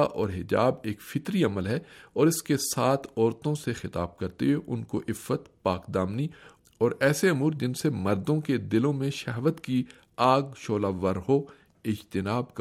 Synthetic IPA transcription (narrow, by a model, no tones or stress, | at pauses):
ʔɔːɾɦɪd͡ʒa̰ːbeːkfɪt̪ɾiɐməlɦɛɔːɾɪskesaːt̪ʰɔːɾt̪õsexɪt̪a̰ːb̚kɐɾt̪eɦɛʔʊnkoʔɪfːət̪paːkd̪aːmni | ɔːɾɛːseɐmuːɾd͡ʒɪnsemɐɾd̪õked̪ɪlõmẽʃɐɦʋət̪ki | aːɡʃoːlaːʋɐɾɦo | ɪd͡ʒt̪ɪnaːbk